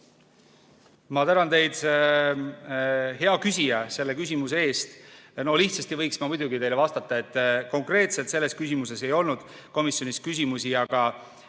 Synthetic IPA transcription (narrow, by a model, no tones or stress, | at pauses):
mɑt̪ænɑnt̪e̞jd̪se | ɦe̞ɑkysijɑse̞lːe̞kys̬ʲimusee̞ːst̪no̞liht̪sɑst̪ivɤjksmɑmud̪uɡit̪e̞jlevɑst̪ɑt̪ːˑɑe̞t̪ːˑko̞ŋkre̞ːt̪se̞lt̪se̞lːe̞skys̬ʲimuse̞se̞jo̞lnud̪̥ | ko̞misjo̞niskys̬ʲimusiɑɡ̥ɑ